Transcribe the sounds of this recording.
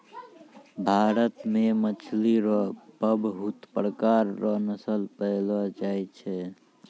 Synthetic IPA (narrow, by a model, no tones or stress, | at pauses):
bʱaɾət̪memət͡ʃʰliɾɔpəbɦut̪pɾkaɾːɔnəsəlpəjlɔd͡ʒajt͡ʃʰɛ